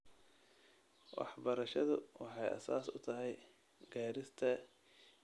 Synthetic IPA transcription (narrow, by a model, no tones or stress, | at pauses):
wɑ̰ħbɐɾɐʃɐðʊwɑħɑjɐ̰saːsʊt̪ʰɐɦɛj | ɡaːɾɪst̪ʰɐ